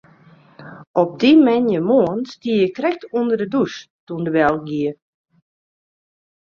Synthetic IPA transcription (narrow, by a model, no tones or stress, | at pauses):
ʔɔp̚dimɛnjəmoənstiəjəkrɛk̚tuəndərdədustuəndəʋɛl̚ˠɡiə